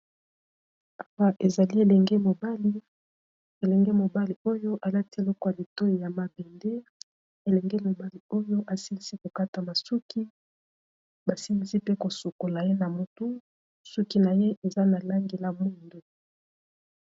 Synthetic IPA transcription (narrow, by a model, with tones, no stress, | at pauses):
a˨wa˦ʔe˨za˨li˦e˨lɛ˨ŋɡe˦mo˨ba˦li˦ | e˨lɛ˨ŋɡe˦mo˨ba˦li˨o˦jo˦ʔa˨la˦ti˦e˨lɔ˦kɔ˦ja˨li˨to˦ji˨ja˨ma˨be˨nde˦ | e˨lɛ˨ŋɡe˦lo˨ba˦li˨o˦jo˦ʔa˨si˦ŋɡi˦si˦ko˨ka˦ta˨ma˨su˦ki˦ | ba˨si˦ŋi˨si˦pe˦ko˨su˨ko˨la˨je˦na˨mu˦tu˦ | su˦ki˦na˨je˦ʔe˨za˦na˨la˦ŋɡe˨la˦mu˦˨ndo˨